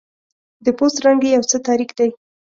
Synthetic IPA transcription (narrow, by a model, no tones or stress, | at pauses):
d̪əpost̪ɾaŋɡejawt͡sət̪ɑɾixd̪aj